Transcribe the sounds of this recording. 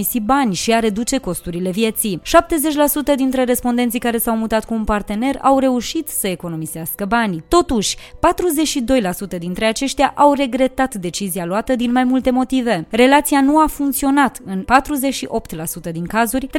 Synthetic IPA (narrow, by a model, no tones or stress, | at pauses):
isibanʲʃiaɾe̞d̪ut͡ʃe̞ko̞st̪uɾile̞vje̞t̪siʃap̚t̪e̞ze̞t͡ʃʲlasut̪əd̪int̪ɾe̞ɾe̞spo̞nd̪e̞nt̪sikaɾe̞sawmut̪at̪kuːnpart̪e̞ne̞ra̰wre̞uʃit̪səe̞ko̞no̞miz̥easkəbanʲt̪o̞t̪uʃʲpat̪ɾuze̞t͡ʃʃid̪o̞jlasut̪əd̪int̪ɾe̞at͡ʃeʃt̪ʲjaʔawre̞ɡɾe̞t̪at̪d̪e̞t͡ʃizialoat̪əd̪inmajmult̪e̞mo̞t̪ive̞re̞lat̪sianuafuŋk̚t̪sio̞nat̪ɨnpat̪ɾuze̞t͡ʃʃiʔo̞pt̪lasut̪əd̪iŋkazurʲ